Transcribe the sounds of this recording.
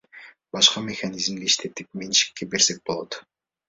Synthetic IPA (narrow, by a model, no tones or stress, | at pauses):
bɑʃqɑmʲexanʲizmd̪iiʃt̪ʰe̞t̪ip̚menʃi̥kːebe̞ɾse̞k̚bo̞lˠo̞t̪